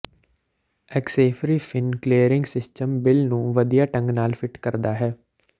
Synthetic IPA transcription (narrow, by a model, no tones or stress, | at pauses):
ɛkseːfɾiːfʰɪnkleːəɾɪ̃ŋɡsɪsʈəmbɪlnũːʋəd̪ijaːʈə̃ŋɡnaːlfʰɪʈkəɾd̪aːɦɛː